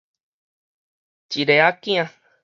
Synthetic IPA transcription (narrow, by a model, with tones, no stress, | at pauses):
t͡ʃi˨ɾe˨a˦kĩ˦ã˧